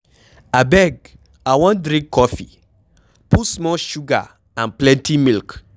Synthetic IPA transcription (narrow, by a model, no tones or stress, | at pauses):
abɛɡ | awɔ̃ndɾĩɡkʰːɔfḭ | pusmɔʃuɡa̰ | ãnplɛ̃ntʰimilk